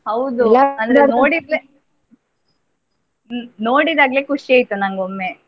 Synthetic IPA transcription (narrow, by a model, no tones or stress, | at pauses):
hɐwd̪uɐnd̪ɾnoːɽid̪e | no̞ːɽid̪aːɡlekuʂieːjt̪ːunɐŋɡomːe